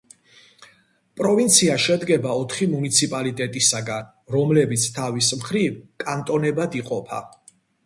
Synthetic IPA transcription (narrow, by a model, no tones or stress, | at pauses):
pʼɾɔvint̪sʰiaʃɛd̪ɡɛbaɔt̪ʰχimunit̪sʰipʼalit̪ʼɛt̪ʼisaɡan | ɾɔmlɛbit̪sʰt̪ʰavismχɾivkʼant̪ʼɔnɛbad̪iqʼɔpʰa̰